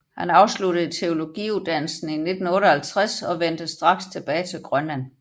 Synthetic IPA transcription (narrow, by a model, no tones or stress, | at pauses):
hænɑ̈ʊsluɾ̥əð̞̩ˠt͡sʰe̝o̝lo̝ɡ̥ḭːuðˠd̥æn̰l̩sn̩ine̝d̥n̩ɔ̽ːɾəhælt͡sʰʁasɒ̽ʋen̰d̥əsd̥ʁɑ̈ɡ̥st͡sʰe̝b̥ɛːɪt͡sʰe̝lɡ̥ʁɶnlæn̰